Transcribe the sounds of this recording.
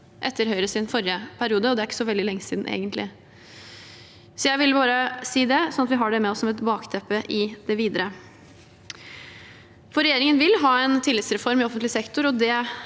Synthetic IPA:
ʔɛt̪ːəɾɦœʏɾəsɪnfɔɾɪəpʰæɾɪuːd̪əɔd̪ɛæɾɪkːə̥sɔʋɛld̪ɪlɛŋːəsiːd̪n̩ʔḛːɡənt̪lɪ | sɔjæɪʋɪlbɑːɾəsiːd̪ɛsɔnɑt̪ʋɪɦɑɖɛmɛɔsːɔmɛt̪bɑːkt̪ʰɛpːəʔɪd̪ɛʋiːd̪əɾə | fɔɾɛjeːɾɪŋənʋɪlɦɑːɛnt̪ʰɪlɪt̪sɾɛfɔɾmɪɔfənt̪lɪsɛkt̪ʊɾɔd̪ɛ

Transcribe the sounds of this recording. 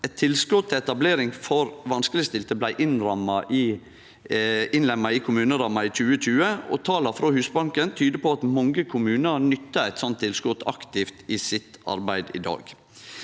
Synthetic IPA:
ɛt̪ʰːɪlskʊt̪t̪ʰːɛɛt̪ɑbleːɾɪŋfɔɾʋɑnskəlɪst̪ɪlt̪əblæɪʔɪnɾɑmɑʔ | ɪnlɛmɑɪkʰʊmʉːnəɾɑmːɑɪt͡ʃʉːət͡ʃʉːəɔ̰t̪ʰɑːlɑfɾoːhʉːsbɑŋkənt̪ʰyːd̪əpʰɔɑt̪mɔŋɡəkʰʊmʉːnəɾnʏt̪ːəæt̪sɔnt̪ʰːɪlskʊt̪ʰɑ̰kt̪ɪft̪ɪːsɪt̪ɑ̰ɾbæɪd̪ɪ̰d̪ɑ̰ːɡ̥

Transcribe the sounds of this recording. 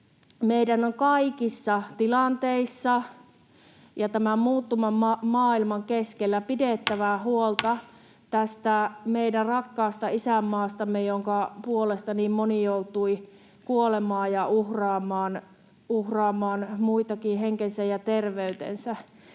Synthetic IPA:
meidænoŋkɑikisːɑt̪ilɑnt̪eisːɑ | jɑt̪æmæmmuːt̪ːumɑmɑmɑːilmɑŋkeskelːæpidet̪ːæʋæhuolt̪ɑ | t̪æst̪æmeidærɑkːɑːst̪ɑisæmːɑːst̪ɑmːejoŋkɑpuolest̪ɑniːmmonijout̪ui | kuolemɑːjjɑuhrɑːmˑɑːn | uhrɑːmːˑɑːnmuit̪ɑkinɦeŋkensæjɑt̪erʋeyt̪ḛnsæ

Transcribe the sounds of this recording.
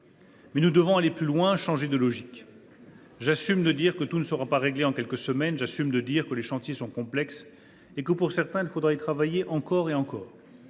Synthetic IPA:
mɛnud̪əvɔ̃aleplylwɛ̃ʃɑ̃ʒed̪əlɔʒik | ʒasymd̪əd̪iʁkət̪unəsəʁapaʁeɡleɑ̃kʲɛlkəsəmɛnʒasymd̪əd̪iʁkəleʃɑ̃t̪jesɔ̃kɔ̃plɛks | ekəpuʁsɛʁt̪ɛ̃ilfod̪ʁait̪χavajeʔɑ̃kɔʁeɑ̃kɔːʁ

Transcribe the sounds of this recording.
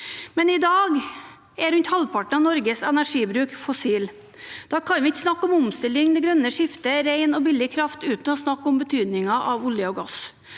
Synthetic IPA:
mɛnɪd̪ɑːɡ | æɾʉnʲt̪hɑlpʰɑʈɳ̩ɑnɔɾɡəsɛnæʂiːbɾʉːkfɔsiːl | d̪̥ɑːkʰɑnʋɪɪçːsnɑkːɔmɔmst̪ɪlːɪŋd̪ɛɡɾœnːəʂɪft̪əɾæɪnɔbɪlːɪkʰɾɑft̪ʉːt̪nɔɔsnɑkːɔmbət̪ʰyːd̪nɪŋɑʔɑʋʊljəɔɡɑs

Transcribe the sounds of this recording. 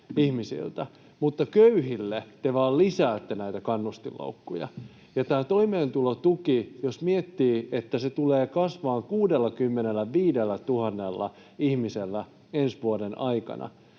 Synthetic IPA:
ihmisḭlt̪æ | mut̪ːɑkøyhilːet̪eʋɑːllisæːt̪ːenæit̪ækɑnːust̪illo̰ukːujɑ̰ | jɑt̪æːt̪o̞imeːnt̪ulot̪ukijosmiet̪ːiːet̪ːæset̪uleːkɑsʋɑːŋkuːdelːɑkymːenelːæʋiːdelːæt̪uhɑnːelːɑ̰ | ihmiselːæ | ensʋuodenʔɑikɑ̰nɑ̰

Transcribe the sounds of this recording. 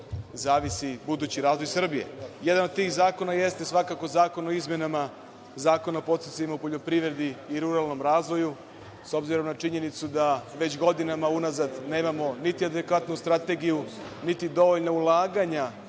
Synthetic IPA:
zaːʋisibud̪uːt͡ɕiɾaːzʋo̞jsr̩bije̞̰je̞d̪ano̞d̪̚t̪iːxzaːko̞naje̞st̪e̞sʋakako̞zaːko̞noizmje̞nama | zaːko̞napo̞t̪sesemoupo̞ʎo̞pɾiʋɾed̪iːɾuɾalno̞mɾaːzʋo̞ju | so̞bziɾo̞mnat͡ʃiɲe̞nit̪sud̪aʋe̞t͡ɕɡo̞d̪inamaunazad̪ne̞ːmamo̞nit̪iad̪ekʋat̪nust̪ɾat̪e̞ɡiju | nit̪id̪o̞ʋo̞ʎnaulˠaːɡaɲa

